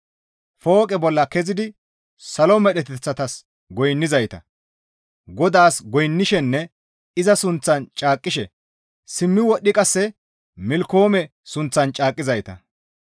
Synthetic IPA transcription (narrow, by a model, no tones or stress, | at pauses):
fo̞ːkʼɛbɔlːɐkɛzɪd̪ɪ | sɐlɔmɛɗɛt̪ɛt͡sːɐt̪ɐs | ɡɔjnːɪzɐjt̪ɐ̰ | ɡɔd̪aːsɡɔjnːɪʃɛnːɛ | ɪzɐsʊnt͡sːɐnt͡ʃʼaːkʼːɪʃɛ | sɪmːɪwɔɗːɪkʼɐsːɛ | mɪlko̞ːmɛ | sʊnt͡sːɐnt͡ʃʼaːkʼːɪzɐjt̪ɐ̰